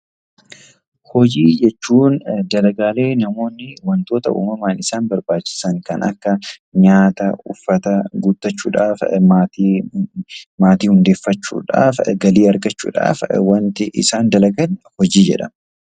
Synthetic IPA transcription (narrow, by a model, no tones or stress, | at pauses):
hɔd͡ʒiːd͡ʒɛt͡ʃːuːnd̪ɐlɐɡaːle̞ːnɐmo̞ːnːɪwɐnt̪o̞ːt̪ɐʔṵːmɐmaːnɪsaːnbɐɾbaːt͡ʃːɪ̥sɐŋkɐnʔɐ̰kːɐɲaːt̪ɐʊfːɐt̪ɐɡʊt̪ːɐt͡ʃːuːᶑa̰ːfmat̪ː | maːt̪iːhʊnd̪e̞ːfːɐt͡ʃːṵːᶑa̰ːfɡɐliːɐɾɡɐt͡ʃːṵːᶑa̰ːfwɐnt̪ɪʔɪ̰saːnd̪ɐlɐɡɐlhɔd͡ʒiːd͡ʒɛ̰ᶑɐ